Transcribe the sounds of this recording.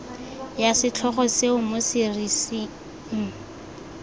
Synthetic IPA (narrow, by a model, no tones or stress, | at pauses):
jasɪt͡ɬʰɔχɔseʊmosɪrisi | ŋ̩